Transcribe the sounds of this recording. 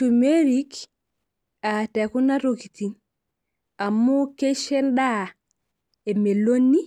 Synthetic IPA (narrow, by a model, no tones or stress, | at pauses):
tumeɾik | atɛkunaɾokitin | amukeʃenɗa | emelonːi